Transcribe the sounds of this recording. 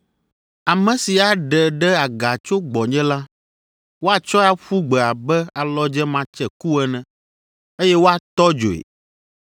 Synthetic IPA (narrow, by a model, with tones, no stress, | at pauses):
a˨mɛ̃˨si˨a˨ɖɛ˨ɖɛ˦a˨ɡa˨t͡ʃo˦ɡ͡bɔ˨ɲɛ̃˦la˦ | wo˦a˨t͡ʃɔ˦a˦ɸu˦ɡ͡bɛ˨a˨bɛ˦a˨lɔ˦d͡ʒɛ˦mã˨t͡ʃɛ˨ku˦ɛ˦nɛ̃˨ | e˦jɛ˦wo˦a˨t̪ɔ˦d͡ʒo̰˨ḛ˨